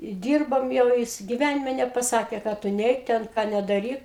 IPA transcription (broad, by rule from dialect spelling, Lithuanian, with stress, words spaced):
ɪ ˈdʲiːrboːm jɛʊ ˈjɪs ɡʲɪˈʋʲænʲɪmʲɛ nʲɛpɐˈsɑːkʲeː kɐ ˈtʊ ˈnʲɛɪk ˈtʲɛn ˈkɑː nʲɛdɐˈrʲiːk